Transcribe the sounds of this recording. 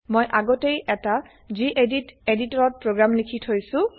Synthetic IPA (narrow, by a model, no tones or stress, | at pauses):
mojʔaɡɔtejʔɛta | ziʔediteditɔɹɔt̚pɹoɡɹamlikʰitʰhojsʊ̃